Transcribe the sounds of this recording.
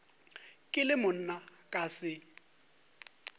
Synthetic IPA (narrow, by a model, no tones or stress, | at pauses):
kʼɪlɪmʊn̩nakʼasɪ